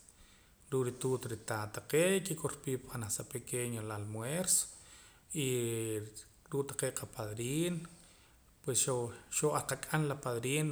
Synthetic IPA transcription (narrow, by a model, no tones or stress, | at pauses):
ɾuːʔɾit̪uːt̪ɾit̪aːt̪aqeːʔkikoɾpiːpanasapekeɲolalmweɾso̥ | i | ɾuːʔt̪ḁqeːʔqʰapaðɾiːn | pwesʃoʃoaɾqakʼanlapaðɾiːn